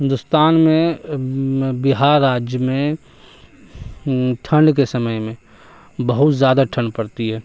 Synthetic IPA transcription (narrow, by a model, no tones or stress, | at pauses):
ɦɪ̃nd̪ʊst̪aːnmẽ | bɪɦaːɾːaːd͡ʒjəmẽ | ʈʰə̃ɳɖk̬esəməjmẽ | bəɦʊt̪zjaːd̪aʈʰə̃ɳɖpəɽt̪iɦɛː